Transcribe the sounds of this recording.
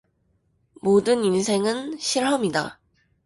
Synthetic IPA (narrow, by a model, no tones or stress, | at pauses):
modɯninsʰe̞ŋɯnɕʰiɭɦamida̰